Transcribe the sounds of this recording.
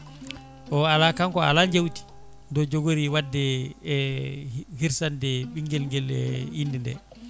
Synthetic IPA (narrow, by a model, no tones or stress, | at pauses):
ʔɔalakaŋkɔa̰laɲd͡ʒewti̥ | ndɔd͡ʒoɡoɾiwadːɛ | hiɾsandɛɓiŋɡɛlŋɡɛlɛ̰hindindɛ̰